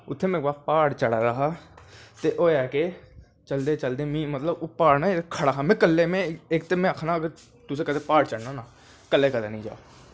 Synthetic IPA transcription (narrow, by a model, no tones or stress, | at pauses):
ʊt̪ʰːeːmẽːkbaːpaːɽt͡ʃəɽaːɾəɦaːt̪eːʔoːɛːkeː | t͡ʃəld̪eːt͡ʃəld̪eːmĩːmət̪ləbopaːɽnaːet̪kʰəɽaːkʰãːmɛ̃ːkəlːeːmɛ̃ːɪkt̪eːmɛ̃ːəkʰnaːɡəɾ | t̪ʊsẽːkəd̪eːpaːɽt͡ʃəɽnãːnaː | kəlːeːkəd̪eːnĩːd͡ʒa̰ː